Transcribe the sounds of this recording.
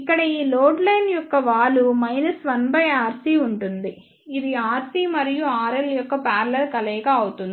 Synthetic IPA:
ikːɐɽɐiːloːɖlɐjnjɔkːɐʋaːlumɐjnɐsʋɐnbɐjaːɾsiːuɳʈund̪i | id̪iaːɾsiːmɐɾijuaːɾeljɔkːɐpaːɾlɐɾkɐlɛːɡaːɐwut̪und̪i

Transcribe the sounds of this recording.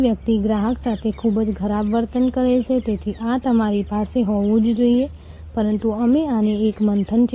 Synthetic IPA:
ʋjək̚t̪iɡɾaɦəksat̪ʰekʰubd͡ʒkʰəɾabʋəɾt̪ənkəɾet͡ʃʰet̪et̪ʰiʔat̪əmaɾipaseɦɔʋũd͡ʒd͡ʒoije | pəɾənt̪uəmeaneːkmənt̪ʰənt͡ʃ

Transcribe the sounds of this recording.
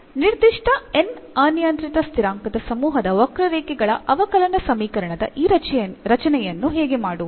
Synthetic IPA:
niɾd̪iʂʈʰɐenaːnjaːnt̪ɾit̪ɐst̪ʰiɾaːŋkɐd̪ɐsɐmuːɦɐd̪ɐʋɐkɾɐɾeːkɛɡɐɭɐʔɐʋɐkɐlɐnɐsɐmiːkɐɾɐɳɐd̪ɐ̰ʔiːɾɾɐt͡ʃɐnɛjɐnːuɦɛːɡemaːɽu

